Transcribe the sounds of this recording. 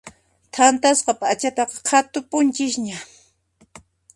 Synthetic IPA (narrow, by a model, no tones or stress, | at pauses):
t̪ʰant̪asqɑpat͡ʃat̪ɑqɑ̥qʰat̪ʊpʊnt͡ʃɪʃɲa